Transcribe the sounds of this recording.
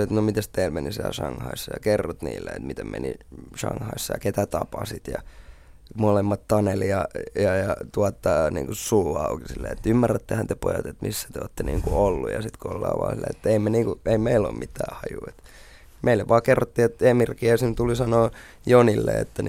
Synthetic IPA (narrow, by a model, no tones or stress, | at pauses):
et̪nomit̪æst̪eilmenisḭlʃɑŋhɑ̰isːɑjɑkerːot̪nḭːlːeḛt̪mit̪emmḛniʃɑ̰ŋhɑisːɑjɑ̰ket̪æt̪ɑpɑsit̪jɑ̰ | molemːɑt̪t̪ɑneljɑjɑjɑt̪uɑt̪ːɑnḭːŋkusulɑukisilːḛet̪ːymːærːæt̪ːehænt̪epo̰jɑt̪et̪misːæ̥t̪eoːt̪ːenḭːŋkuolːujɑsit̪koolːɑ̰ːʋɑ̰ːsilːḛet̪ːeimeniːŋkueimeilo̰ːmmʔit̪ːæːhɑjuet̪ | mʔeilːeʋʋɑːkerːot̪ːiːet̪emirkiæisint̪ulisɑnoː | jonilːḛḛt̪ːæn